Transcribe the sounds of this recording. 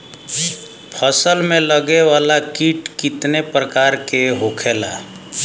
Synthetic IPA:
pʰəsəlmeləɡewalakiʈkit̪nepɾəkaɾkeɦokʰela̰

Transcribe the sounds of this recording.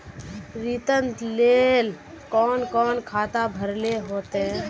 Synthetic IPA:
ɾiːt̪ənt̪leːl | kɔːnkɔːnkʰaːt̪abʱəɾleɦoːt̪eɦɛ̃ː

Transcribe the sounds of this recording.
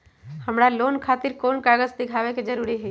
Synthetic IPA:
həmɾalonkʰat̪iɾkonkaɡəd͡ʒd̪iɡʱaʋeked͡ʒəɾuɾiɦəi

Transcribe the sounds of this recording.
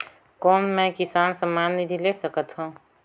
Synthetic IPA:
kɔːnmɛ̃kɪsaːnsəmːaːnːid̪ʱilesəkət̪ɦũː

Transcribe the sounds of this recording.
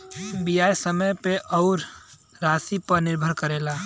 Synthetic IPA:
bijaːjsəməjpeʔɔʊɾ | ɾaːsipəɾnɪɾbʱəɾkəɾeːlaː

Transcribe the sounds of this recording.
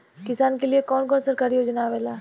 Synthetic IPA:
kɪsaːnkeliekɔːnkɔːnsɐɾkaːɾiɦoːd͡ʒnaʋeːlaː

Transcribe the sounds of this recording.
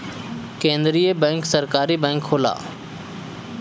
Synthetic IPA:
kẽːnd̪ɾiːəbɛ̃ːŋksəɾkaːɾiːbɛ̃ːŋkʰoːla̰ː

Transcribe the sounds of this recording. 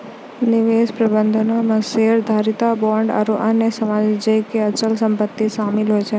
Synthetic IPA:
nɪʋespɾəbənd̪ʱənoməseɾd̪ʱaɾit̪abɔɳɖa̰ɾuʔənesəmad͡ʒd͡ʒəjkeət͡ʃəlsəmpət̪ːiʃamilɦojt͡ʃʰe

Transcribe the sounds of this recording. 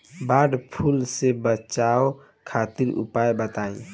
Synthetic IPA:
baːɖpʰulsebət͡ʃao | kʰaːt̪iɾṵpajbət̪aẽ

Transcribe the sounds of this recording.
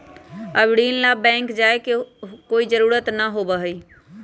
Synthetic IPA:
əbɽiːnlaːbɛ̃ːŋkd͡ʒaːekekoːiːzəɾuːɾət̪naːɦoːbaːɦoiː

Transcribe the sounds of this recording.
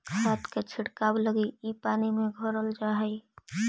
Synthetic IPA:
ɦat̪ket͡ʃʰɪɽkabləɡiipaːnimẽɡʱəɾəld͡ʒaɦəi

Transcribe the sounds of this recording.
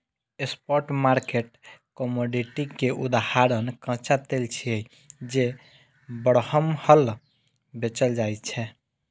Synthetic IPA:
espɔɾʈmaɾkeʈkɔmoɖiʈikeʔud̪ahaɾənkə̃t͡ʃat̪elt͡ʃʰiəi | d͡ʒe | bəɽhəmhəl | bet͡ʃəld͡ʒajt̪t͡ʃʰɛ

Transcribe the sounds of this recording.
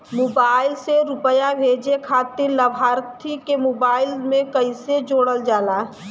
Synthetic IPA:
moːbaːɪlseɾʊpəjabʱeːd͡ʒekʰaːt̪ɪɾləbʱaːɾt̪ʰikemoːbaːɪlmẽkəɪsed͡ʒoːɽəld͡ʒaːlaː

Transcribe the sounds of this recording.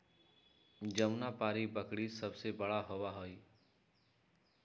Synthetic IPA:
d͡ʒəmnapaːɾibəkɽisəbsebəɽaɦoʋaɦoi

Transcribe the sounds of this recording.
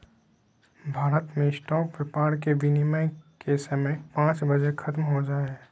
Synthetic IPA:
bʱaːɾət̪mẽɪsʈɔːkʋɪpaːɾkeʋɪnimaɪkeːsmẽpãːt͡ʃbɐd͡ʒekʰɐt̪mɦod͡ʒaːe

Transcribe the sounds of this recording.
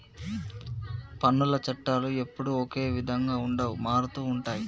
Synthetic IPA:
pɐnːulɐt͡ʃɐʈːaːlue̞pːuɽuɔke̞ːʋid̪ʱɐŋɡaːuɳɖaːwumaːɾut̪uːɳʈaːji

